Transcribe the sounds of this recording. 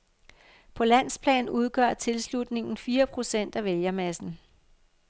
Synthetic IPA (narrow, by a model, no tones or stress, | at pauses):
pʰɒ̽læn̰spʰlɛ̰ːnuð̞ˠɡ̥ɶɐ̰t͡sʰe̝lslud̥ne̝ŋn̩fiːɐpʰʁo̝sen̰d̥æʋeljɐmæsn̩